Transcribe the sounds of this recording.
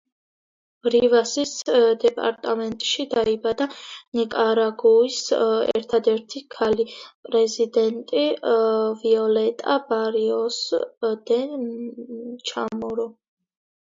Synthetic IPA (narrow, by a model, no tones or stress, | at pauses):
ɾivasisd̪ɛpʼa̰ɾt̪ʼamɛnt̪ʼʃid̪aibad̪anikʼaɾaɡuisɛ̰ɾt̪ʰad̪ɛɾt̪ʰikʰalipʼɾɛzid̪ɛnt̪ʼi | viɔlɛt̪ʼa̰baɾiɔsd̪̥ɛ | t͡ʃʰa̰mɔɾɔ